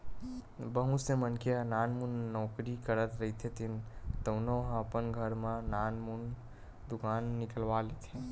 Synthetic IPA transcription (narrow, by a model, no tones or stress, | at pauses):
bəɦũsemənkeananmunːɔkɾikəɾət̪ɾəɦit̪ʰet̪ʰint̪əʊnoɦəpənɡʱəɾmananmun | d̪ukanːikəlʋalet̪ʰe